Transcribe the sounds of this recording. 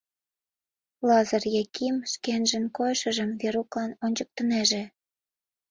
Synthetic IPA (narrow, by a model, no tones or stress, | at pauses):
lɑzɑrjekʰimʃkenʒənkojʃə̆ʒəmveɾuklɑnonʲt͡ɕək̚t̪əneʒĕ